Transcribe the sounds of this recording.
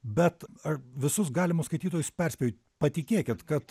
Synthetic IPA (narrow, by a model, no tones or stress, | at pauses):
bʲɛt̪ɐʋʲɪsʊs̬ɡɑːlʲɪmʊskɐɪt̪ʲiːt̪oːjʊspʲɛrʲsʲpʲɛjʲɪt̪ʲ | pɐt̪ʲɪkʲeːkʲɪt̪kɐt̪